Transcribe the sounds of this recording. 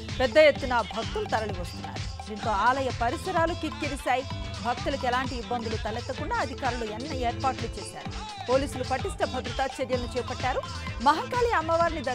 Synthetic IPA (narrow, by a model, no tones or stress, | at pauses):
pɛd̪ːɐjet̪ːunɐbʱɐk̚t̪ulut̪ɐɾɐɭiʋɐst̪unːa̰ːɾud̪iːnt̪o̞ːaːlɐjɐpɐɾisɐɾaːlukikːiɾisaːjibʱɐk̚t̪ulɐkɛlaːɳʈiːbːɐnd̪ulut̪ɐlɛt̪ːɐkuɳɖaːɐd̪ʱikaːɾuluɛnːɐeːɾpaːɾʈlut͡ʃɛːʃa̰ːɾu | po̞ːliːsulupɐʈisʈɐbʱɐd̪ɾut̪aːt͡ʃːɐɾjɐlnut͡ʃɛːpɐʈːaːɾu | mɐɦɐkaːliɐmːɐʋaːɾinid̪ɐ